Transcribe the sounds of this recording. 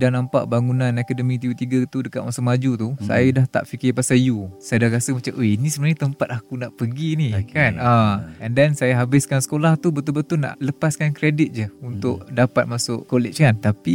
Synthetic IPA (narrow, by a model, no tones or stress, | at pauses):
dahnampa̰ʔbaŋunãnɛkɛdəmĩt̪iut̪iɡat̪udəkat̪̚masʊʔmad͡ʒut̪usa̰jadaht̪a̰ʔfikɪpasajusajadahkasəmat͡ʃamʔəinisəmənaɲat̪əmpat̪̚akunaʔpəɡinikanaɛndɛnsajaɦabɪskansə̥kolaht̪ubət̪ʊlbət̪ʊna̰ʔləpaskankɾedɪt̪̚d͡ʒəunt̪ʊʔdapat̪̚masʊʔkolɪt͡ʃkant̪api